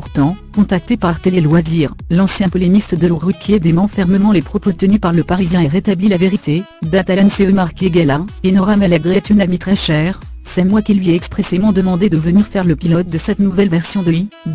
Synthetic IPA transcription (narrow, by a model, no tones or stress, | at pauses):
puʁt̪ɑ̃kɔ̃t̪ak̚t̪epaʁt̪elelwaziːʁlɑ̃sjɛ̃pɔlemist̪əd̪əluʁykʰʲjed̪emɑ̃fɛʁməmɑ̃lepχɔpot̪ənypaʁləpaʁizjɛ̃ɛʁet̪ablilaveʁit̪ʰe | d̪at̪alɛnseømaʁkeɡalaenɔʁamɛ̃laɡʁɛt̪ynamit̪χɛʃɛːʁsɛmwakilɥiɛɛkspχesemɑ̃d̪əmɑ̃d̪ed̪əvəniʁfɛʁləpilɔt̪̚d̪əsɛt̪nuvɛlvɛʁsjɔ̃d̪əi